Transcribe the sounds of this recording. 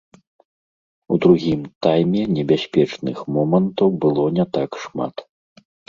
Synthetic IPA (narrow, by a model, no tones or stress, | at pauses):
ud̪ɾuɣʲimt̪ajmʲɛnʲɛbʲasʲpʲɛt͡ʂnɨxmɔmɐnt̪ɐwbɨlˠɔnʲɛt̪akʂma̰t̪